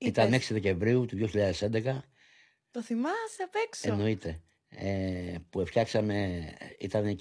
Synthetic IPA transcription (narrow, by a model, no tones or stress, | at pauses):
it̪ɐneksiðe̞ce̞ɱvɾiut̪uðjoçiʎɐðe̞se̞nd̪e̞kɐ | t̪oθimɐseɐpekseno̞it̪e̞ | epuefçɐksɐme̞it̪ɐne